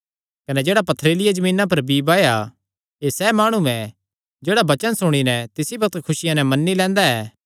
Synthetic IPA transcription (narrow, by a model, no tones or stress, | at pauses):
kɐnɛd͡ʒeːɽapɐt̪ʰːɾeːlɪjad͡ʒɐmĩːnãp̬ɐɾbiːbaːja | esɛmaːɽ̃uɛ̃ | d͡ʒeːɽabɐt͡ʃənsʊɽ̃inɛt̪ɪsibɐk̚t̪kʰʊsɪjãnɛmɐnːilɛ̃ːnd̪aɛː